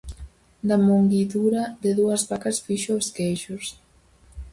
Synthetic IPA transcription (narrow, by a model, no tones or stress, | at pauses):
d̪amoŋɡiðuɾaðeðuɐzβakasfiʃoskeʒus